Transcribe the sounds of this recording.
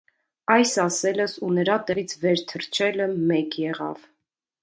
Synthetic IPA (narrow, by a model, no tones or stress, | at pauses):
ɑjsɑsɛləsunəɾɑt̪ɛʁit͡sʰvɛɾt̪ʰəɾt͡ʃʰɛləmɛkjɛʁɑ̰v